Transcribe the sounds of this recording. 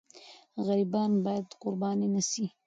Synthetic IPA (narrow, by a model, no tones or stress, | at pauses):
ɣaɾibɑnbɑjad̪qʊɾbɑninasi